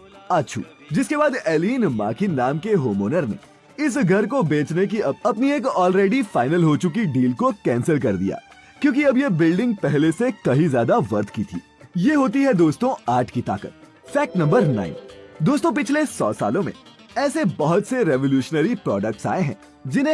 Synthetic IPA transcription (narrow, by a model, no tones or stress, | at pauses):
aːtːʃʰṵ | d͡ʒɪskebaːd̪ɛːliːnma̰ːkʰinaːmkeɦoːmoːnəɾnḛ | ɪs̬ɡʱɐɾkobeːt͡ʃnek̬iɐbɐpnieːkɔːlɾeːɖifaːɪnəlɦoːt͡ʃʊk̬iɖiːlkokɛ̃ːnsəlkɐɾd̪ḭja̰ː | kjõːk̬iɐbjebɪlɖɪ̃ŋɡ̚pɛɦlesekɐɦizjaːd̪aʋɐɾt̪ʰkit̪ʰḭː | jeɦoːt̪iɦɛd̪oːst̪õaːʈʰkit̪a̰ːkə̰t̪̚ | fɛːk̚ʈnɐ̃mbəɾna̰ːɪnd̪oːst̪õp̬ɪt͡ʃʰlesɔ̰ːsa̰ːlõmḛ̃ | ɛːsebɐɦʊt̪seɾɛʋoljuːʃnəɾipɾɔːɖək̚ʈsa̰ːeɦɛ̰̃ː | d͡ʒɪnɦẽ